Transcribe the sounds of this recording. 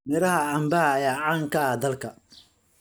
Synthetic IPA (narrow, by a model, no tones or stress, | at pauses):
mɪɾɐhɐɐmbɐhɐːjaːʕaːŋkʰɐɐd̪ɐlkʰɐ